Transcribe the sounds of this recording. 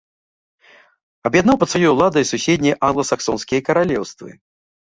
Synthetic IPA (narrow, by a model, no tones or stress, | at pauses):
ɐbjad̪nawpɐt̪svajɔjulˠad̪ɐjisusʲed̪ʲnʲɐjʔanɡlˠɐsaksɔnskʲijɐkɐɾalʲɛwst̪vɨ̰